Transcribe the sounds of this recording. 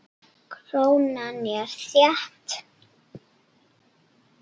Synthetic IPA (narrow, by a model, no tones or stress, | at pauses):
kʰɾownaniaɾ̥θjaht̪